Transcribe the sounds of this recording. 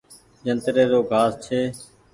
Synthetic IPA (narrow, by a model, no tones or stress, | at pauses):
d͡ʒənt̪ɾeːɾoːɡʱaːst͡ʃʰeː